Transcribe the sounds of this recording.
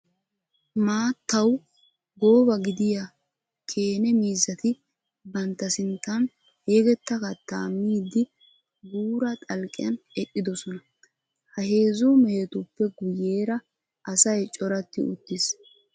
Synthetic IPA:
maːt̪ːɐw | ɡo̞ːbɐɡɪd̪ɪja | kʰe̞ːnɛmiːzɐt̪ɪ | bɐnt̪ːɐsɪnt̪ːɐn | he̞ːɡɛt̪ːɐkɐt̪ːaːmːiːd̪ɪ | ɡuːɾɐt̪ʼɐlkʼɪ̰jɐnɛʔʼːɪd̪ɔsɔnɐ | hɐɦe̞ːzumɛhɛt̪ʊpːɛɡʊjːe̞ːɾɐ | ʔɐsɐjt͡ʃʼɔɾɐt̪ːɪʊt̪ːɪs

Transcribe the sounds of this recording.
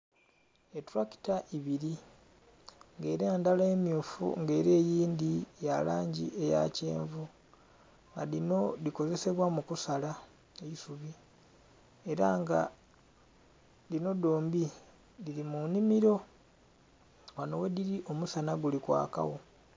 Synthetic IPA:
etuɾaki̥taʔiβiɾi | ŋɡe̞ːɾeːndalaemjuːfṵŋɡe̞ːɾeːjiːndijalaːɲɟḭe̞ja̰ce̞̰ːɱvu | ŋɡalino̞liko̞ze̞se̞βwamukusala | eisuβi | e̞ɾaŋɡa̰ | lino̞do̞ːmbi | lilimunimiɾo̞ | wano̞we̞diɾiʔo̞musanaɡulikwa̰ːka̰wo̞

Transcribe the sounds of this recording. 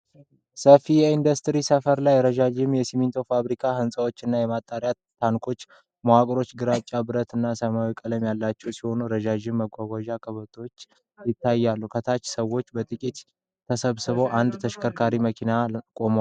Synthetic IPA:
səfijɛind̪əst̪ɾisəfəɾlajɾəʒaʒɪmjɛsimint̪ʰo̞faβɾikʰahɨnsʼəwo̞t͡ʃːɨnːajɛmat̪ʼːaɾijaːaŋkʰo̞t͡ʃː | məwakʼɾo̞t͡ʃːɡɨɾat͡ʃʼːabɨɾət̪ɨnːasəmawikʼələmjalːat͡ʃːɛwsiho̞nuɾəʒaʒɪmːəɡʷaɡʷaʒakʰəβət̪ʼo̞t͡ʃː | jɪt̪ːajːalːukʰət̪ʰat͡ʃːsəwːo̞t͡ʃːbət̪ʼɨkʼit̪ | t̪ʰəsəβsɨβo̞ʔand̪t̪ʰəʃkʰəɾkʰaɾiməkʰinakʼo̞ma

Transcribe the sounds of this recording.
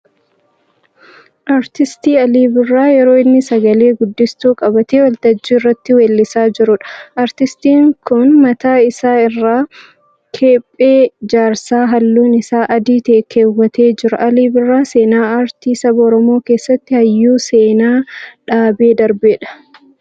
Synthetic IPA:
ʔaɾt̪ɪst̪iːɐliːbɪrːaːjɛɾo̞ːɪnːɪsɐɡɐle̞ːɡʊd̪ːɪst̪uːkʼɐbɐt̪eːwɐlt̪ɐd͡ʒːiːɪrːɐt̪ːɪweːlːɪsaːd͡ʒɪɾʊᶑɐ̥ʔɐɾt̪ɪst̪iːŋkʊnmɐt̪aːɪsaːɪrːaː | kʰeːpʼːeːd͡ʒaːɾsaːɦɐlːuːnɪsaːʔɐd̪iːt̪eːkʰːe̞ːwːɐt̪e̞ːd͡ʒɪɾɐʔɐliːbɪrːaːse̞ːnaːaːɾt̪iːsɐbɐɔɾɔmo̞ːke̞ːsːɐt̪ːɪhɐjːuːse̞ːnaːᶑaːbe̞ːd̪ɐɾbeːᶑɐ̥

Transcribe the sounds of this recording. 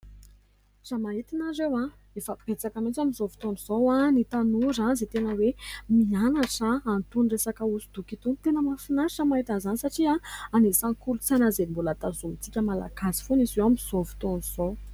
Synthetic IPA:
zamaɦit̪inaɾewa | efəpet͡sakəmit͡samizovi̥t̪oniz̥owanit̪anuɾazet̪enəwemianaʈ͡ʂaːnt̪unresakəusud̪̥ukit̪unt̪enəmafinaɾiʈ͡ʂəmaɦit̪anzanisaʈ͡ʂiaanesaŋkulut͡sanazeimbolat̪azumit͡sikʲəmala̰kasi̥funizewamizovu̥t̪oniz̥o

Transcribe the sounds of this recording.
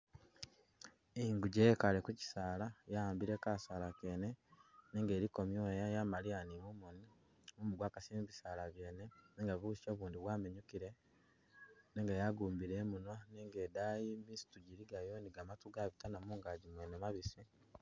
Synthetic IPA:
iŋɡuɟekale̞kuci̥saːlajaaːmbiɾe̞kasaːlake̞ːne̞neːŋɡe̞ːɾiko̞mjoːjajamaɾianimumoni | mumuɡwaːkasimiβisaːlaβje̞ːne̞neːŋɡaβusi̥ʃo̞ːβuːndiβwaːmeɲukiɾe̞ | neːŋɡajaɡuːmbiɾe̞ːmunwaneːŋɡe̞ːdajimisi̥tuɟiɾiɡajoniɡamatuɡaβitanamuːŋɡaːɟimweːnemaβisi

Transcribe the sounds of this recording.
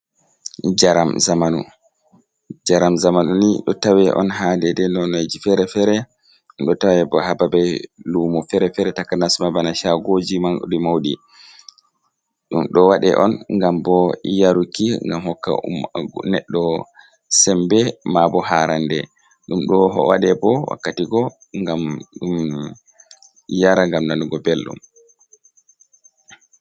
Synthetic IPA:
d͡ʒaɾamzamanu | d͡ʒaɾamzamanuniɗɔ̰tawɛʔɔ̰nɦadɛdɛnɔnad͡ʒifɛɾɛfɛɾɛ | ɗɔtawɛbɔhababɛlumɔfɛɾɛfɛɾɛtakanasmabanaʃaɡod͡ʒiman̰ɗimawɗi | ɗumɗɔwaɗɛ̰ʔɔnŋɡambɔjaɾukːiŋɡamhɔkːa̰nɛɗːɔ | sɛmbɛmabɔɦaɾandɛ | ɗumɗɔɦɔ̰wa̰ɗɛbɔwa̰kːatiɡɔ | ŋɡamɗum | jaɾaŋɡamnanuɡɔbelɗṵm

